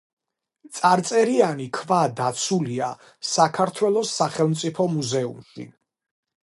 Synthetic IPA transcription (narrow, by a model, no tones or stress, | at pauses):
t̪sʼaɾt̪sʼɛɾianikʰvad̪at̪sʰulia | sakʰaɾt̪ʰwɛlˠɔsːaχɛlˠmt̪sʼipʰɔmuzɛumʃḭ